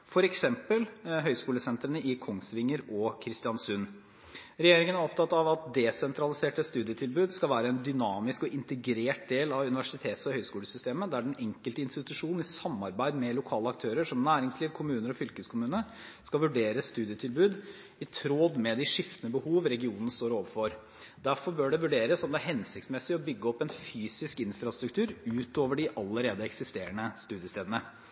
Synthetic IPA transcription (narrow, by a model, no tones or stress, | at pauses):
fɔɾɛksɛmpəlɦœʏskuːləsɛnt̪ɾəɳəʔɪkʰɔŋsʋɪŋːəɾɔkʰɾɪst̪ɪɑnsʉn | ɾɛjeːɾɪŋənæɾɔpt̪ʰɑt̪ːɑʋɑt̪̚d̪ɛsɛnt̪ɾɑlɪseːʈəst̪ʉːd̪ɪət̪ʰɪlbʉːd̪skɑʋæːɾəɛnd̪ʏnɑːmɪskɔʔɪnt̪əɡɾeːʈ̚d̪eːlɑʋʉnɪʋæʂɪt̪ʰeːt̪sɔhœʏskuːləsʏst̪eːməd̪æɖɛnɛŋkəlt̪əɪnst̪ɪt̪ʉʂuːnn̩ɪsɑmːɑɾbæɪd̪mɛlʊkʰɑːləɑkt̪ʰøːɾəʂɔmnæːɾɪŋsliːʋkʰʊmʉːnəɾɔfʏlkəskʰʊmʉːnə | skɑʋʉɖeːɾəsst̪ʉːd̪ɪət̪ʰɪlbʉːd̪ | ɪt̪ʰɾoːd̪mɛd̪ɪʂɪft̪ənəbəhuːʋɾɛɡɪuːnən̩st̪oːɾoːʋəfɔɾ | d̪æɾfɔɾbøːɖɛʋʉɖeːɾəssɔmd̪ɛæɾhɛnsɪkt̪smɛsːɪɔbʏɡːəɔpːɛnfyːsɪskɪnfɾɑst̪ɾʉk̚t̪ʰʉːɾʉːt̪oːʋəɖɪʔɑlːəɾeːd̪əɛksɪst̪eːɾəɳəst̪ʉːd̪ɪəst̪eːd̪ənə